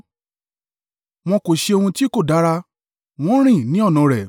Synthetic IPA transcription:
mɔ̃˧ko˨ʃe˧o˧hũ˧ti˦ko˦˨da˨˦ɾa˧ | w̃ɔ̃˦ɾ̃ĩ˦˨nĩ˨˦ɔ˦˨nɔ̃˨˧˨ɾɛ˨

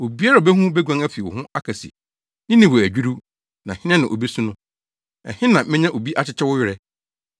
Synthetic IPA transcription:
o˨bi˦a˦ɾa˨bɛ˦ɦũ˦bɛ˦ɡʷã˦ŋæ˦fi˨ʊ̰˨hʊ̃˦a˦kʰa˨sḭ˨ | nɪ̃˦nĩ˨wo˨æ˨d͡ʑᶣi˦ɾu˦ | nã˨hɪ̃˦nɛ̃˦nã˨ʔo˨bi˦sũ˦nʊ̃˦ | ɛ̰˨hɪ̃˦nã˨mɪ̃˦ɲã˦ʔo˨bi˦ʔa˦t͡ɕʰɪ˦t͡ɕʰɛ˦wʊ˦jɪ˦ɾɛ˦

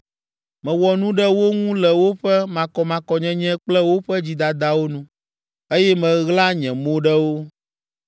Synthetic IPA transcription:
mɛ̃˨wɔ˨nũ˦ɖɛ˦wo˦ŋũ˦lɛ˨wo˦ɸɛ˦mã˨kɔ˨mã˨kɔ˨ɲɛ̃˨ɲɛ̃˦k͡plɛ˦wo˦ɸɛ˦d͡ʑi˨d̪a˨d̪a˨wo˦nũ˦ | e˦jɛ˦mɛ̃˨ɣla˦ɲɛ̃˨mõ˦ɖɛ˦wo˦

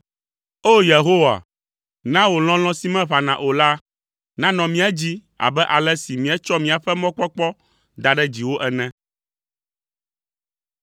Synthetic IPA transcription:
o˦je˨ɦo˦wa̰˨ | nã˦wo˨l̃ɔ̃˦l̃ɔ̃˦si˦mɛ̃˦βa˨nã˨ʔo˨la˦ | nã˦nɔ̃˨mĩ˦a˦d͡ʑi˦ | a̰˨bɛ˦ʔa˨lɛ˦si˨mĩ˨ɛ˦t͡ʃɔ˦mĩ˨a˨ɸɛ˦mɔ̃˦k͡pɔ˦k͡pɔ˦ | d̪a˨ɖɛ˦d͡ʑi˨wo˦ʔɛ˨nɛ̃˦

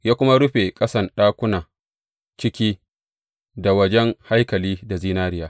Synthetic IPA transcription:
jaː˦kʷʊ˦ma˦ɽʊ˦ɸe˨kʼɐ˦sɐ˨nɗaː˦kʷʊ˦naː˨ | t͡ʃɪ˦kʲiː˦ | da˨wɐ˦d͡ʒɛ˦ŋha˦jkɐ˨liː˦da˨ziː˦naː˦ɾɪ˦jaː˦

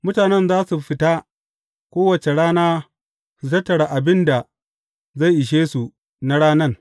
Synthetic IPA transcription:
mʊ˦taː˨nɛ˦nzaː˦su˨ɸɪ˦ta˦ | kʷoː˦wɐ˨t͡ʃe˨ɽaː˦naː˦ | su˨tɐ˦tːɐ˨ɽa˨ʔa˨bɪ˦nda˨ | za˦˨jʔɪ˨ʃ̬eː˦su˨ | na˦ɽaː˦nɐ˦r

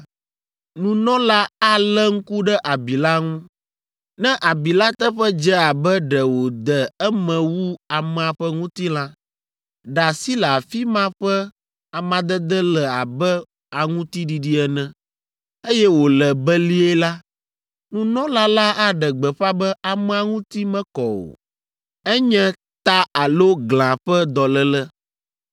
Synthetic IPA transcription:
nũ˨nɔ̃˦la˦a˦lɛ˦ŋ̩˦ku˦ɖɛ˦ʔa˨bi˨la˦ŋũ˦ | nɛ̃˦ʔa˨bi˨la˦t̪ə˦ɸɛ˦d͡ʒɛ˦a˨bɛ˦ɖɛ˨wo˨d̪ɛ˨ɛ˦mɛ̃˨wu˦a˨mɛ̃˨a˨ɸɛ˦ŋũ˦t̪i˦la˦ | ɖa˨si˦lə˨a˨fi˦mã˦ɸɛ˦ | a˨mã˨d̪ə˦d̪ə˦lɛ˨a˨bɛ˦ | a˨ŋũ˦t̪i˦ɖi˨ɖi˦ɛ˨nɛ̃˨ | e˦jɛ˦wo˨lɛ˨bɛ˦li˦ɛ˦la˦ | nũ˦nɔ̃˦la˦la˦ʔa˦ɖɛ˨ɡ͡bɛ˨ɸa˦bɛ˦a˨mɛ̃˦a˨ŋũ˦t̪i˦mɛ̃˦kɔ˨o̰˨ | ɛ˦ɲɛ̃˦ | t̪a˦a˨lo˦ɡlã˨ɸɛ˦d̪ɔ˨lə˦lɛ˦

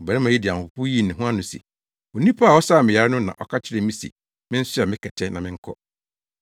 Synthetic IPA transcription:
m̩˨bɛ˨nɪ̃˦mã˨ji˦dɪ˨ã˨m˨ʊ˨pu˦ji˦˨nɪ̃˨ɦũ˦ã˦nʊ̃˨sḭ˨ | o˨nĩ˦pʰa˦a˨ɔ˦saː˦˨mɪ̃˨ja˨ɾa˦nʊ̃˦nã̰˨ʔɔ˦kʰa˦t͡ɕʰɪ˦ɾɛ˦˨mĩ˦sḭ˨ | mɪ̃˦n̩˦sʊ˦a˨mɪ̃˦kʰɛ˨tʰɛ˦nã˨mɪ̃˦ŋ̩˦kʰɔ˦

